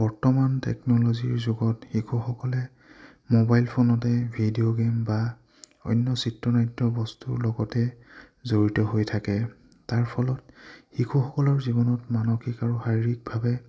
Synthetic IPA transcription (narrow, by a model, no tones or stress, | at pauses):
b̥ɔɹtɔmantɛ̰knɔloziɹzuɡɔtxikʰuxɔkɔlɛ | mobajlpʰonɔtɛbʱidioɡemba | ɔ̰jnːɔsitɹɔnajtːɔbɔstulɔɡɔtɛ | zoɹitɔɦojtʰakɛ | taɹpʰɔlɔt̚xikʰuxɔkɔlɔɹzibɔnɔtmanoxikaɹuxajɹik̚bʱabɛ